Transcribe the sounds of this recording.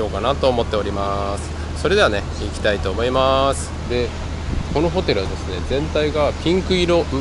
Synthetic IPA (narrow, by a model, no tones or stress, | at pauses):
o̞ːkanat̪o̞ːmo̞t̪ːe̞oɾʲimasɨ̥ | so̞ɾe̞d̪e̞ane̞ | ikʲi̥t̪ait̪o̞ːmo̞imasɨ̥d̪e̞ | ko̞no̞ɦo̞t̪e̞ɾɯ̟βad̪e̞sɨne̞zẽ̞nt̪aiɡapʲĩŋkɯ̟iɾo̞mɯ